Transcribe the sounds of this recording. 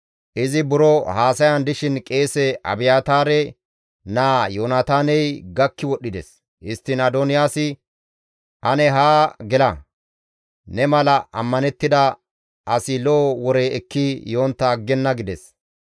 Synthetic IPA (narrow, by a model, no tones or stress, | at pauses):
ʔɪzɪbʊɾɔhaːsɐjɐnd̪ɪʃɪnkʼe̞ːsɛʔɐ̰bɪjaːt̪aːɾɛ | naːjoːnat̪aːnɛjɡɐkːɪwɔɗːɪd̪ɛs | ɪst̪ːɪnɐd̪onɪjaːsɪ | ʔɐnɛɦaːɡɛlɐ | nɛmɐlɐʔɐmːɐnɛt̪ːɪd̪ɐ | ʔɐsɪloːwɔɾeɛkːɪjoːnt̪ːɐːɡːɛnːɐɡɪd̪ɛs